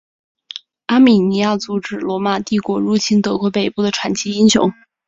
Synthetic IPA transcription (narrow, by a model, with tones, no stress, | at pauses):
a˥mi˨˩ni˧˥ja˥˩t͡su˧˥ʈ͡ʂɻ̩˧˩lwɔ˧˥ma˨˩t̪i˥˩kwɔ˧˥ɻu˥˩t͡ɕʰi˥nt̪ɤ˧˥kwɔ˧˥pe˨˩ɪpu˥˩d̪ə˩ʈ͡ʂʰwa˨˩nt͡ɕʰi˧˥i˥ŋɕjʊ̰˧˥ŋ